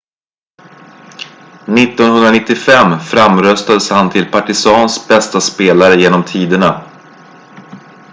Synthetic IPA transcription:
nɪt̪ːɔnhɵnd̪ɾanɪt̪ːɪfɛmːfɾamɾœst̪ad̪əshant̪ʰɪlpʰaʈɪsɑːnsbɛst̪aspeːlaɾəjeːnɔmt̪ʰiːd̪əɳa

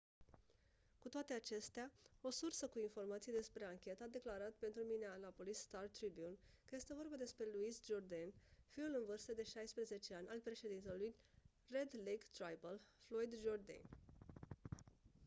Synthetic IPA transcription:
kut̪oat̪e̞at͡ʃe̞st̪eao̞sursəkuinfo̞rmat̪sijed̪e̞spɾe̞aŋkʲe̞t̪əad̪e̞klaɾat̪pe̞nt̪ɾumineanapo̞lisːt̪art̪ɾibiunkəje̞st̪e̞vo̞rbad̪e̞spɾe̞luisd͡ʒo̞rd̪enfiulɨnvɨrst̪əd̪e̞ʃajspɾeze̞t͡ʃe̞anʲʔalpɾe̞ʃe̞d̪int̪eluj | re̞d̪leɡt̪ɾajbəlflo̞jd̪d͡ʒo̞rd̪ḛn

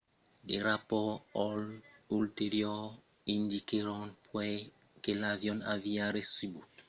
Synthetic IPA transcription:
deɾapɔɔlulteɾjɔ | indikeɾɔnpwɛkelavjɔnaviaɾesibu

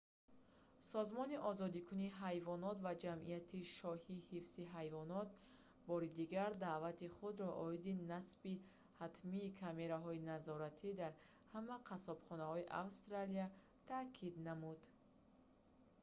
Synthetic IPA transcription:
sɔzmɔniʔɔzɔd̪ikʰuniɦajvɔnɔt̪vad͡ʒamʔḭjat̪ʰiʃɔhihifsiɦajvɔnɔt̪ | bɔɾid̪iɡaɾd̪aʔvat̪iχud̪ɾɔʔɔid̪inasbi | hat̪ʰmiːkʰame̞ɾaɦɔinazɔɾat̪ʰid̪aɾ | hamaqʰasɔbχɔnahɔiʔa̰vst̪ɾalia | t̪ʰakʰid̪namud̪

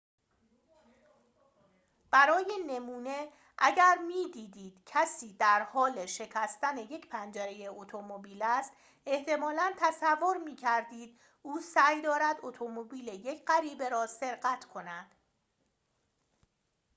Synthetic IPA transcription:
b̥æɾɒːje̞ne̞muːne̞ | ʔæɟæɾmiːd̪iːd̪iːd̪̥cʰæsiːd̪æɾhɒːle̞ʃe̞cʰæst̪æne̞je̞cʰpʰænd͡ʒæɾe̞jeot̪ʰomobiːlæst̪ | e̞ht̪ʰe̞mɒːlænt̪ʰæsævːo̞ɾmiːcʰæɾd̪iːd̪̥̚ | ʔuːsæjd̪ɒːɾæd̪ot̪ʰo̞mobiːleje̞cʰɢæɾiːbe̞ɾɒːse̞ɾɢæt̪ʰkʰo̞næd̪̥

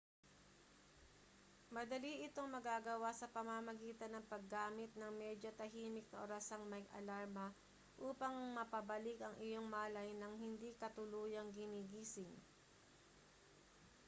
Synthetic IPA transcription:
mɐd̪ɐliʔɪt̪oŋmɐɡaːɡɐwasɐpɐmamɐɡiːt̪ɐnɐŋpɐɡːaːmɪt̪̚nɐŋmɛd͡ʒot̪ɐɦiːmɪk̚nɐʔoɾɐsaŋmɐjɡɐ̰laɹmɐ | ʔuːpɐŋmɐpɐbɐlɪkɐŋʔɪjo̞ŋmaːlɐjnɐŋhɪnd̪ikɐt̪ʊluːjɐŋɡɪniɡiːsɪŋ

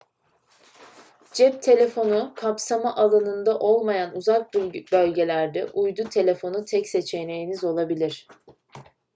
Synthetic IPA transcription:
d͡ʒɛp̚t̪ʰe̞lʲe̞fo̞nukʰapsamaʔalˠanɯnd̪aʔo̞lˠmajanuzak̚bbølʲɟe̞lʲæɾd̪ɛʔujd̪ut̪ʰe̞lʲe̞fo̞nut̪ʰɛcse̞t͡ʃʰe̞nejinizo̞lˠabilʲiɾ̝̥

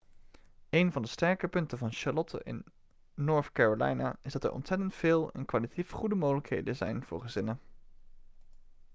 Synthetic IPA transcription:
ejnvɑndəstɛɹkəpɵntəvɑnʃɑlɔtʰə̰ʔɪ̰nː | oːɹtkaːɹolɛ̰jna̰ɪzdɑtɛ̰ɹʔɔ̰ntsɛtəntfɪːlˠɛ̰nkʋaːlitatifχudəmoːχələkɦḛjdəzɛ̰jnv̥ʊ̰ːɹχəzɪnə

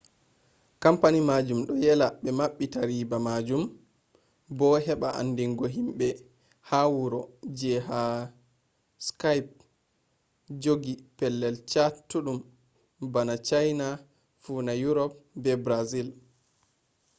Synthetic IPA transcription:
kampanimad͡ʒumɗɔjɛlaɓɛmaɓːitaɾibamad͡ʒum | bɔɦɛɓaʔa̰ndiŋɡɔɦimɓɛ | hawuɾɔd͡ʒɛɦa | skajp̚ | d͡ʒoɡipɛlːɛlt͡ʃatːuɗum | banat͡ʃajna | fuːnajuɾɔp̚bɛbɾazil

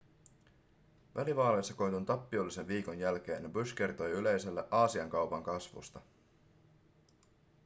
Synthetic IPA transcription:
ʋʔæliʋɑːle̞sːɑko̞jt̪unt̪ɑpːio̞lːise̞nʋiːko̞njælk̟e̞ːnjbyskert̪o̞jyle̞jse̞lːeʔɑːsiɑŋkɑwpɑŋkɑsʋṵst̪ɑ

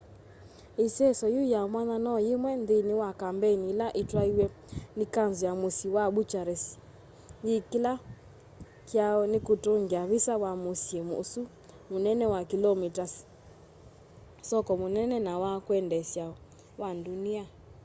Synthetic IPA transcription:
isɛsɔjujamwananɔjimwɛndiniwakambɛnilaʔitwaiwɛ | nikanzujamusiwaɓut͡ʃaɾɛsi̥ | jikila | kjaɔnikutoŋɡiaβisawamusiɛmṵsu | munɛnɛwakilɔmitas | sɔkɔmunɛnɛnawakwɛndɛsja | wandunia

